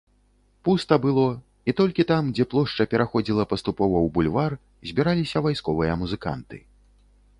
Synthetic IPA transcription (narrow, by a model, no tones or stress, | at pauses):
pust̪ɐbɨlˠɔ | it̪ɔlʲkʲit̪amd͡zʲɛplˠɔʂt͡ʂɐpʲɛɾaxɔd͡zʲilˠɐpɐst̪upɔvɐwbulʲvar | zʲbʲiɾalʲisʲɐvajskɔvɨjɐmuzɨka̰nt̪ɨ̰